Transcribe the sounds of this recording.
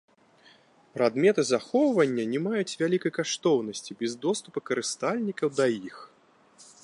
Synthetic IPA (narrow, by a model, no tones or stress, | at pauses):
pɾad̪mʲɛt̪ɨzaxɔwvɐnʲːɐnʲɛmajut͡sʲvʲalʲikɐjkaʂt̪ɔwnɐsʲt͡sʲibʲɛzd̪ɔst̪upɐkɐɾɨst̪alʲnʲikɐwd̪ɐjix